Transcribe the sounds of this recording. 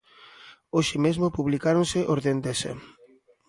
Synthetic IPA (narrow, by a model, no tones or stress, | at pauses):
oʃɪmezmopuβlikaɾonsɪʔoɾðend̪esḛ